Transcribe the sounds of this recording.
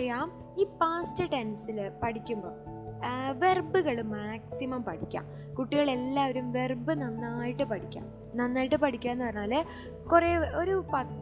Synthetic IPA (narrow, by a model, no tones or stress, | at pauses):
ɐjaːm | iːpaːstɨʈensilɨpɐʈikʲːumbo̰ː | ʋe̞rbɨɣɐɭɨmaːksimɐmpɐʈʰikʲːa̰ːm | kuʈːiɣɐɭe̞lːaːʋɐɾumʋe̞rbɨnɐnːaːjiʈːɨpɐʈʰikʲːa̰ːm | nɐnːaːjiʈːɨpɐʈikʲːaːmenːɨpɐrɐɲːaːlɨ | kureːo̞ɾupɐ